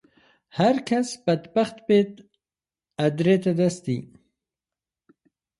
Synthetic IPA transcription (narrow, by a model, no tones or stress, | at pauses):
haɾkasbad̪baxt̪bet̪ | ad̪ɾet̪ad̪asi